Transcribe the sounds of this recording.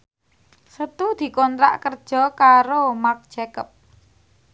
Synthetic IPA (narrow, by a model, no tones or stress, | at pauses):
sət̪ud̪̥i̤kɔnt̪ɾa̰ʔkərd̥ʒ̥ɔ̤kaɾomak̚d̥ʒ̥ɛkəp̚